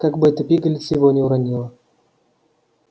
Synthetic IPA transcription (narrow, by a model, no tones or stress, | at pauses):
kaɡbɨɛt̪əpʲiɡəlʲɪt̪sʲɪvonʲɪʊɾanʲilˠə